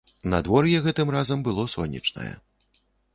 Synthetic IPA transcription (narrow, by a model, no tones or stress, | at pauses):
nɐd̪vɔrjɛɣɛt̪ɨmrazɐmbɨlˠɔsɔnʲːḭt͡ʂnɐ̰jɛ̰